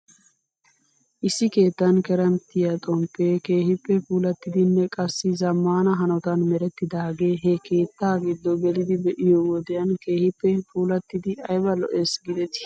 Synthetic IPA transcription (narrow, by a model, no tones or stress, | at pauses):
ʔɪsːɪke̞ːt̪ːɐnkɛɾɐmt̪ɪjɐt̪ʼɔmpːeːke̞ːhɪpːɛpuːlɐt̪ːɪd̪ɪnːɛkʼɐsːɪzɐmːaːnɐɦɐnɔt̪ɐnmɛɾɛt̪ːɪd̪aːɡe̞ːɦɛke̞ːt̪ːaːɡɪd̪ːɔɡɛlɪd̪ɪbɛʔɪjɔwɔd̪ɛjɐnke̞ːhɪpːɛfʰuːlɐt̪ːɪd̪ɪɐjbɐlɔ̰ʔeːsɡɪd̪ɛt̪ɪ̥